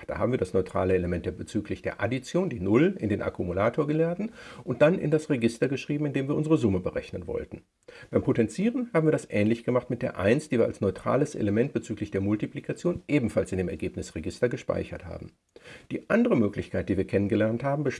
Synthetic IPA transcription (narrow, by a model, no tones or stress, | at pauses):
d̥a̰ːhaːbm̩viɐdasnɔʏtʁ̥a̰ːləeləmɛnt̚d̥eːɐbət͡syːklɪçd̥eːɐʔa̰dit͡sjoːndiːnʊlɪ̰ndeːnʔa̰kumulaːtʰoːɐɡəlɛɐtn̩ʔʊnt̚d̥anʔɪ̰ndasʁeɡɪstɐɡəʃʁ̥iːbm̩ɪndeːmviːɐʊnzəʁəzʊməbəʁɛ̰çnənvɔ̰ltn̩ | b̥aɪmpʰotɛnt͡siːʁənhaːbm̩iːɐdasʔɛːnlɪçɡ̥əmaχtmɪt̚d̥eːɐʔa̰ɪnstd̥iːviːɐa̰lsnɔʏtʁ̥a̰ːləsʔḛləmɛnt̚b̥ət͡syːklɪçd̥eːɐmʊltiplikʰat͡sjoːnʔeːbm̩falsɪndeːmɛɐɡeːpnɪsʁeɡɪstɐɡəʃpa̰ɪçɐ̰tha̰ːbm̩ | d̥iːʔandəʁəmøːklɪçkʰaɪt̚d̥iːviːɐkʰɛnənɡəlɛɐnthaːbm̩bəʃ